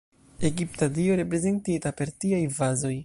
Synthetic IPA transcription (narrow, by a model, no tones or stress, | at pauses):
e̞ɡiptadioɾe̞pɾe̞ze̞ntitape̞ɾtiajvazo̞j